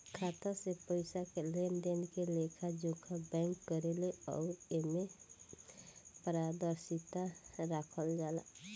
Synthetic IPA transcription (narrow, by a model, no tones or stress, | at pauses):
kʰat̪asepəjsakelenɖenkelekʰad͡ʒokʰabɛŋkːɔɾeleɔ̰wɾeme | pɾad̪əɾsit̪aɾakʰɔld͡ʒala̰